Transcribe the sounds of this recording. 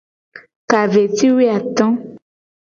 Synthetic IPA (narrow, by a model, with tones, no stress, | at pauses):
ka˨ve˨t̪i˦we˦a˨t̪ɔ̃˦